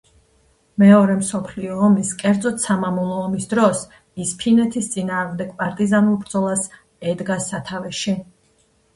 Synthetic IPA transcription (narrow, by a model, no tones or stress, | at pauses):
mɛɔɾɛmsɔpʰliɔːmiskʼɛɾd̪zɔt̪samamulˠɔːmisd̪ɾɔs | ispʰinɛt̪ʰist̪sʼinaːʁmd̪ɛɡpʼaɾt̪ʼizanulˠbɾd̪zɔlˠas | ɛd̪ɡasat̪ʰavɛʃi